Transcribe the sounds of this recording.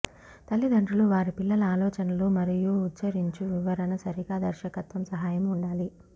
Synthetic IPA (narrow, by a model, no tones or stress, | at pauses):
t̪ɐlːid̪ʱɐɳʈuluʋaːɾipilːɐlɐaːlɔːt͡ʃɐnɐloːmɐɾijuːt͡ʃt͡ʃɐɾiɲt͡ʃuʋiʋɐɾɐnɐsɐɾiɡaːd̪ɐɾʃɐkɐt̪ʋɐmsɐɦaːjɐmuɳɖaːli